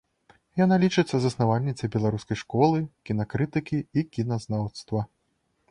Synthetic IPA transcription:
janalʲit͡ʂɨt̪sːɐzɐsnavalʲnʲit̪sʲɐbʲɛlˠaɾuskɐjʂkɔlˠɨkʲinɐkɾɨt̪ɨkʲiikʲinɐznawt̪st̪vɐ

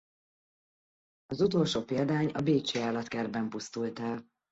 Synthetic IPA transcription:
ɒzut̪o̞ːlʃoːpeːld̪aːɲɒbeːt͡ʃeaːlːɒt̪kɛrbɛmpust̪ult̪ɛl

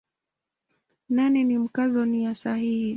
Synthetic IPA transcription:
nanɛnim̩kazɔnijasahihi

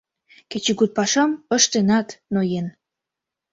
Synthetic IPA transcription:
ket͡ɕeɡut̪̚pɑʃɑməʃt̪enɑt̪nojen

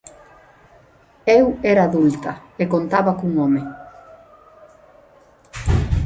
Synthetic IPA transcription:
ewɛɾaːðult̪ɐekont̪aβakuŋome

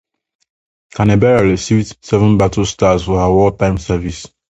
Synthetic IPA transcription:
kãnɛbɛɹaɹisivdsɛvə̃nbatəstazfɔhawɔtãɪ̃msɛvis

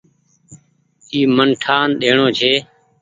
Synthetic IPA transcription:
iːmənʈʰaːnɗeːɳõːt͡ʃʰeː

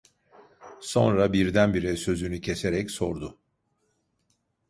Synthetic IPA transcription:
so̞̰nɾabiɾd̪ænbiɾɛsø̞zynycʰe̞seɾɛcso̞ɾd̪ʊ

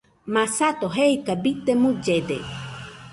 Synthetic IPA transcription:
masat̪oɦeikabit̪emud͡ʒed̪ḛ

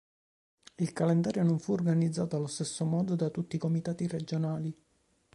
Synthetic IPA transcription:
ilkalend̪aːɾjonoɱfuːrɡanid̪zːaːt̪oalost̪esːomɔːd̪od̪at̪ut̪ːiːkomit̪aːt̪ired͡ʒonaːli

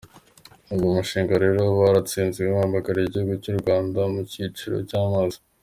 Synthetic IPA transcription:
uɡomuʃiːŋɡaɾe̞ɾo̞βaɾat͡siːnziwemaːmbakaɾiɟihuɡucuɾuɡwaːndamucit͡ʃiɾo̞̰caːmazḁ

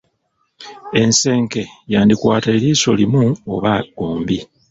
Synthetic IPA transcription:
e̞nse̞ːŋke̞jaːndikwaːte̞ːliːso̞limuoβaɡ̥oːmbi

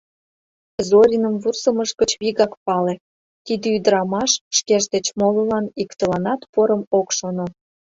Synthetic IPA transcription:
zoɾʲinəmvursə̆məʃkə̆t͡ɕβiɣɑkpɑle | t̪id̪eyd̪əɾɑmɑʃʃkeʒd̪et͡ɕmololɑnikt̪əlɑnɑt̪poɾəmokʃono

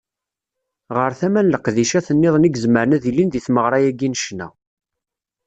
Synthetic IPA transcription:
ʁəɾθæmænləqðiʃæθənːɪðˤniɡzməɾnæðilinðiθməʁɾˤɑjæɡinʃnæ̰

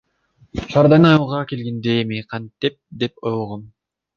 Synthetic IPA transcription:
ʃɑɾd̪ɑjnɯnɑjlˠʁɑkelɡend̪emiqʰɑnt̪ip̚d̪e̞p̚ojoʁon

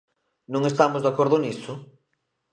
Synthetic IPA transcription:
nõŋest̪amʊzðakoɾðʊnisʊ

